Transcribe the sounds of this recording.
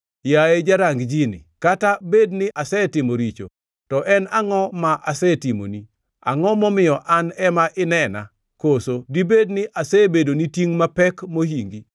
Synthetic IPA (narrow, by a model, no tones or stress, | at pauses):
jaed͡ʒaɾaŋɡd͡ʒinɪ̰katabednɪʔasɛtɪmoɾit͡ʃo̰ | tɔʔɛnaŋɔmaʔasɛtimo̰ni | a̰ŋɔmɔmɪjɔʔanɛmaʔɪnɛna̰ | kosodibednɪʔasɛbedonitiŋmapɛkmoɦiŋɡi